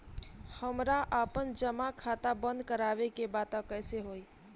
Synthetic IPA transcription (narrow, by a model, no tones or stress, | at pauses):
həmɾaʔapənd͡ʒəmakʰat̪abə̃nd̪kəɾaʋekebat̪ãkəɪseɦoi